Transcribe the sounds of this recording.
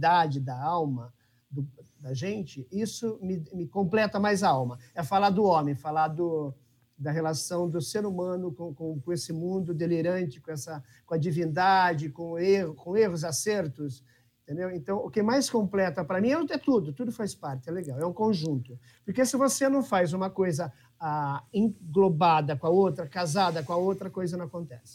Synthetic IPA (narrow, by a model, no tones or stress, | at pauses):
d̪ad͡ʒɪd̪ɐawmɐ | d̪ʊd̪ɐʒẽnt͡ʃɪisʊmɪmɪkõmplɛt̪ɐmajzawmɐɛfalad̪ʊõmẽj̃falad̪ʊ | d̪ɐɦelasɐ̃w̃d̪ʊseɾumɐ̃nʊkõkõkõesɪmũnd̪ʊd̪eleɾɐ̃nt͡ʃɪ̥kõɛsɐ | kõɐd͡ʒivĩnd̪ad͡ʒɪkõeɦʊkõehʊzasɛɾt̪ʊs | ẽt̪ẽnd̪ewẽnt̪ɐ̃w̃ʊkɪmajskõmplɛt̪ɐpɾɐmĩɛɛt̪ud̪ʊt̪ud̪ʊfajspaɾt͡ʃ̪ɪɛleɡawɛũkõʒũnt̪ʊ | poɾkesɪvosenɐ̃w̃fajzũmɐkojzɐ | aẽŋɡlobad̪ɐkõɐowt̪ɾɐkazad̪ɐkõɐowt̪ɾɐkojzɐnɐ̃w̃ɐkõnt̪ɛsɪ̥